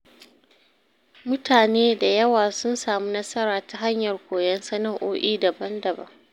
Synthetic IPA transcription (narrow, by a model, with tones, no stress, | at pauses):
mʊ˦tʰaː˨neː˦da˨jɐ˦waː˨sʊ˦nsaː˨muː˦nɐ˦sɐ˦ɾaː˨ta˨ɦa˦ɲjɐ˨rkʷoː˨jɛ˦nsɐ˦nɐ˦ŋʔo̰ː˦ʔiː˦dɐ˨bɐ˦ndɐ˨bɐ̰˦ŋ